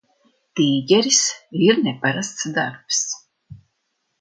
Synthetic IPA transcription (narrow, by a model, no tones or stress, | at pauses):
t̪iːɡʲɛɾisiɾnʲɛpaɾast̪sd̪aɾps